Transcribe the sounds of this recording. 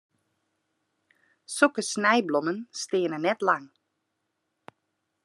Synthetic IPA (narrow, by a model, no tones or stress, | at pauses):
sukəsnɛjblɔmənstɪənənɛtlaŋ